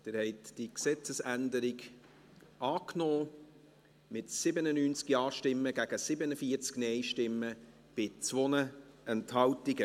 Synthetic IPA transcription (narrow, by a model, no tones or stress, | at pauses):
d̪̥ɪːɾhɛɪtd̥iksɛt͡səsændəɾiɡ | ɑːknɔː | mɪtsɪbənənyːnt͡skjɑːʃtɪmːəɡæɡ̥əsɪbənəfiːəɾt͡sknɛɪʃtɪmːə | b̥ɪt͡svɔnəɛnthɑltiɡə